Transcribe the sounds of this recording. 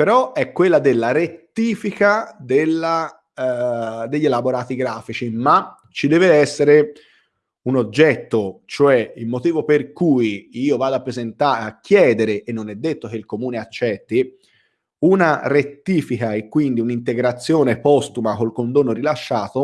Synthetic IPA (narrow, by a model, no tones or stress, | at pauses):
peɾɔɛkːwelːad̪elːaɾet̪ːiːfikad̪elːa | d̪eʎːelaboɾaːt̪iɡɾaːfit͡ʃima | t͡ʃid̪ɛːveɛsːeɾe | unod͡ʒːɛt̪ːot͡ʃoɛilmot̪iːvoperkujiːovaːd̪oapːɾezent̪aak̟ːjɛːd̪eɾeʔenːonɛd̪ːet̪ːok̟eilkomuːneat͡ʃːɛt̪ːi | unaret̪ːiːfikaekːwind̪iunint̪eɡɾat̪sːjoːnepɔst̪umakolkond̪oːnːoɾilaʃːaːt̪o